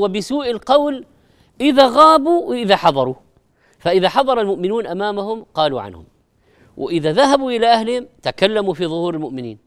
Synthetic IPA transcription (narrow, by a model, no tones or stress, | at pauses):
wɪbɪsuːʔɪlqɑwl | ʔɪðaɣaːbuwɪʔɪðaħɑðˤɑɾˤu | faʔɪðaħɑðˤɑɾˤɑlmʊʔmɪnuːnʔamaːmahʊmqɑːlṵʕa̰nhʊ̰m | wʔɪ̰ʔɪðaðaɦabuʔɪlaʔahlɪhɪmt̪akalːamufiðˤʊhuːɾɪlmʊʔmɪnḭːn